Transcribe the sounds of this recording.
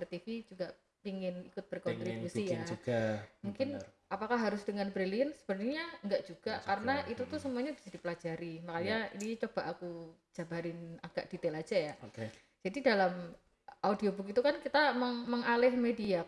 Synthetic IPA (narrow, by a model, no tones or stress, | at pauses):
rt̪ifid͡ʒuɡaʔ | piŋɪnikʊt̪̚b̥ərkɔnɾikusiaɡamuŋkɪnʔapakahɦaɾʊsd̥əŋanbɾeliənsə̥bənərɲaŋɡaʔd͡ʒuɡ̥akaɾənaʔit̪ut̪usəmuaɲabi̥sadipəlad͡ʒaɾimakaɲaḭnit͡ʃob̥aʔaku̥ | d͡ʒ̥abaɾɪnaɡ̥aʔd̥it̪elad͡ʒajaoke | d͡ʒ̥adidalam | audiobukit̪ukankit̪aməŋməŋalɪhmedia